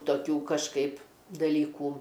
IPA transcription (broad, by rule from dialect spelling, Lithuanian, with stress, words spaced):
toːˈkʲuː kɐʃˈkɐɪp dɐˈlʲiːkuː